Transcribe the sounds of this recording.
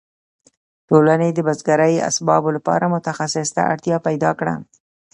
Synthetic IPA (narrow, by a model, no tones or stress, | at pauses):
ʈolaned̪əbazɡaɾəja̰sbɑbolapɑ̰ɾamʊt̪axasɪst̪a̰a̰ɽt̪jɑpajd̪ɑkɽa̰